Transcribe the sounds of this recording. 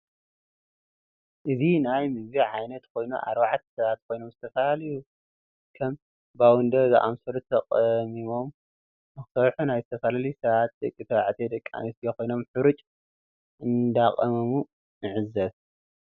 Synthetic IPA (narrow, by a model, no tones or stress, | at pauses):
ʔɨzinajmɨzβiʕajnɐt̪kʰo̞jnṵʔa̰ɾbaʕat̪ʰsɐβat̪̚kʰo̞jno̞mzɨt̪ʰɐfalalɐju | kʰɐm | bawɨnd̪ɐzɨ̰ʔa̰msɐɾt̪ʰːɐqʼmimo̞m | nɨxɨsɐɾħunajzɨt̪ʰɐfalalisɐβat̪̚d̪ɐkʼːit̪ʰɐβaʕt̪ʰed̪ɐkʼːa̰misjeko̞jno̞mħɨɾɨt͡ʃʼ | ʔɨnd̪aqʼɐmɐmu | nɨʕɨzɐβ